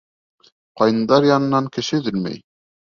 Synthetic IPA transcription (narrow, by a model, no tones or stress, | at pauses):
qɑj̪ɤ̆nd̪ɑɾjɑnɤ̆nɑŋkɘ̆ʃɘðɘlmæ̰j